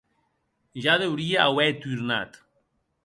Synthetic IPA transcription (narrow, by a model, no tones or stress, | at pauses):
ʒaðewɾiaawβɛt̪yɾna̰t̪